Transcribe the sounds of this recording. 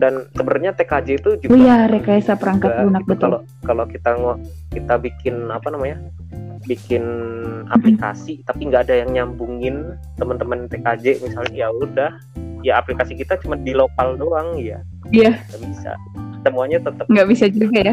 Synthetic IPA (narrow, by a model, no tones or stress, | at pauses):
dansəbərɲat̪ekad͡ʒɛit̪ud͡ʒujaɾekajasapəɾaŋkabunak̚bət̪ʊalo | kalokit̪aŋɔʔ | kit̪abikɪnapanamaɲa | bikɪna̰plika̰sit̪apiŋɡaːdajaŋɲambuŋɪn | t̪əmənt̪əmənt̪ekad͡ʒɛmisalɲajaudah | jaːplikasikit̪at͡ʃumandilokaldoaŋja̰ | ijaŋɡaʔbisa̰ | səmuaɲat̪ət̪əpŋɡaʔbisad͡ʒuɡaja